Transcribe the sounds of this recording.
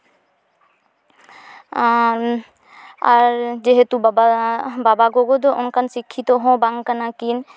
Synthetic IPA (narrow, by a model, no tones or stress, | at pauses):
aɾd͡ʒeɦet̪ubababaɡoɡod̪oʔonkansikʰːit̪oɦɔ̃baŋkanakin